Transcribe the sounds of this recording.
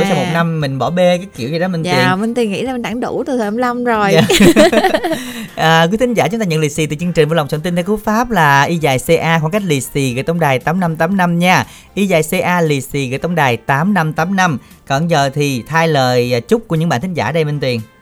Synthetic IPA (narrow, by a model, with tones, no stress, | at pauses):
t͡ɕa˧wmo˨˩na˧mːï˨˩ŋ̟ɓɔ˧˩ɓe˧kaː˨˦jki˧˩əwzi˨ɗɔ˨˦mi̟˨˩wnmi˨˩ŋt̪wi˨˩əŋḭ˧˥zaː˧mi˨˩nɗa˧˩ŋɗṵ˧˩t̪ɨ˨˩t̪ʰəː˨˩˧mla˧wmzo˨˩j | ʔəː˨˩kwi˦˥t̪ʰi˨˦ŋ̟zaː˧˩t͡ɕʊ˦ŋ͡mt̪aː˧ɲə˧˨li˨˩sḭ˧˩t̪ɨ̰˧˨˩t͡ɕɨ˧əŋt͡ɕï̟˨˩vəː˨˧˦la˨˩ŋ͡msəː˧˩nt̪i˧nt̪ʰːku˦˥k̚faː˦˥p̚laː˨˩ʔi˧zaː˨˩jse˧ʔaː˧xɔ˧˩˦nka˦˥k̟̚li˨˩si˨˩ɣə̰˧˨jt̪ə˧wŋ͡mɗaː˨˩jt̪aː˨˦mna˧mt̪aː˨˦mna˧mɲaː˧˩ | ʔi˧zaː˨˩jse˧ʔaː˧li˨˩si˨˩ɣə̰˧˨t̪wŋ͡mɗaː˨˩jt̪aː˨˦mna˧mt̪aː˨˦mna˧m | kɔ˧˩nzəː˨˩t̪ʰi˨˩t̪ʰaː˧jləː˨˩jt͡ɕʊ˦˥k͡p̚ku˧˩əɨ˧˥ŋɓa̰ː˧˨nt̪ʰŋzaː˧˩ɗə˧jmï˨˩ŋ̟t̪wi˨˩ən